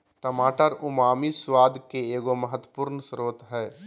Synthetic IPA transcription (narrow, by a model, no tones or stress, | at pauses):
ʈəmaːʈəɾʊmaːmiswaːd̪ʱkeeːɡoməɦət̪wəpuːɾnsɾoːt̪ɦɛː